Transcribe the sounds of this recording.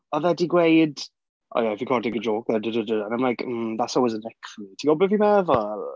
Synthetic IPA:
ɔðɛdiɡwejd | ʔɔ̰jaɪfikʰɔrdɪɡədoːk̚ðɛdədədəãnãjmlajkm̩ðatsɔlˠwɪzənɛkʰfitʰiɡɔbəvimɛvɔ

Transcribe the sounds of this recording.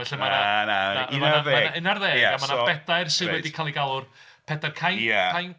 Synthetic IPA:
ɛɬɪnmanananamanaðeaɨnarðeːɛamanabɛdajrsɨwɛdikʰalˠiɡalˠʊr | pʰɛdarkʰajaajn

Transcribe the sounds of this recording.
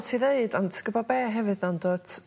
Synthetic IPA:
tʰiðeɨdɔntʰɡ̥əbɔbɛːɦɛvɨðɔndoːtʰ

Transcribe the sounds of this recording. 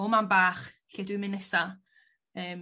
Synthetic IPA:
omambaːχ | ɬeːdwɨmɪnɛsa | əːm

